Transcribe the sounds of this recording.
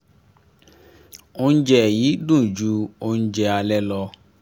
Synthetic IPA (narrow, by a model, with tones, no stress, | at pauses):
o˦ñ̩˦d͡ʒɛ˦˨jiː˨˦dũ˦˨d͡ʒu˦o˦n̩˦d͡ʒɛ˧a˧lɛ˦lɔ˧